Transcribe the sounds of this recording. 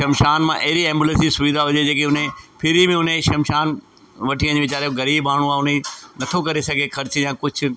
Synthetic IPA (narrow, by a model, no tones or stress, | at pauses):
ʃɐmʃaːnmãʔɐɦɪɾiɛ̃ːmbjulə̃nsd͡ʑisʊʋid̪ʱaɦʊd͡ʑed͡ʑeːkeʊn̤ẽpʰɪɾimẽʊn̤ẽʃɐmʃaːn | ʋɐʈʰiə̃d͡ʑeʋɪt͡ɕaːɾejoɡɐɾiːbaːɽ̤̃ũaːʊn̤enɐt̪ʰokɐɾesɐɡʱexɐɾt͡ɕjãːkʊd͡ʑʱʰʊ̆